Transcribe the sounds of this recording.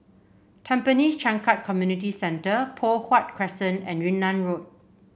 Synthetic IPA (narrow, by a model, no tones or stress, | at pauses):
tʰɛ̃mpənist͡ʃãŋkat̚kʰɔmjunit̬isɛ̃ntəpʰɔhwat̚kʰɹɛsə̃nɛ̰̃nɹĩnːãnɹot̚